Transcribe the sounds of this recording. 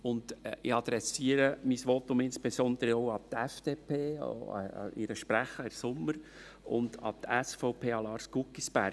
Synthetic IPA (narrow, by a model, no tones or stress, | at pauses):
ʊnd̥ɪɑd̪̥ɾɛsiːəɾəmisʋot̪ʊmɪnsb̥esɔnd̥̪əɾəɔʊɑt̪ɛfd̥eːpʰḛːɪ̰ɾəʃpɾæχəɪrsʊmːəɾ | ʊ̰ndɑ̰t̪ɛsfɔʊpʰeːɑlɑːɾskukːisbæɾ